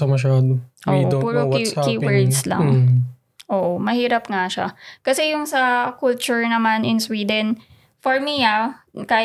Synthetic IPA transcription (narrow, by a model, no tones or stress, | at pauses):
ɐmɐʃ̬aːd̪oʔoːiʔd̪obuɾukakiːwwɛɹd̪slɐ̰ŋ | ʔoːʔomɐhiːɾɐpŋaʃa̰kɐsɛjʊŋsɐkʊlt͡ʃʊɹnɐmanʔɪnswiːd̪ɛn | fɔɹmiakaː